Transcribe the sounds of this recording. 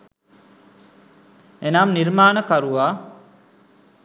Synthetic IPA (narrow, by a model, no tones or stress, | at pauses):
enamniɾmaːnəkaɾuʋaː